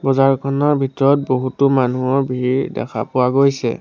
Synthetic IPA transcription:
bɔzaɹkʰɔnɔɹbʱitɔɹɔt̚boɦutʊmanuɔɹbʱiidɛ̰kʰa̰pʊwaɡojsɛ̰

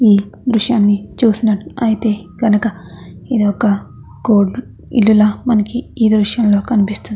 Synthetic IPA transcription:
iːd̪ɾuʂjaːnːit͡ʃuːsinɐʈːuɐjit̪e̞ːɡɐnɐkɐid̪iɔkɐ | ɡoːɖ | ḭlːulɐmɐnɐkiiːd̪ɾuʂjɐmlo̞ːkɐnipist̪und̪i

